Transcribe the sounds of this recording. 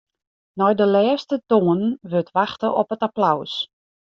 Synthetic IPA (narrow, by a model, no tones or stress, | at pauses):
nɔjdəlɛːstətoːənnʋøtʰʋaxtəʔɔpətaplaws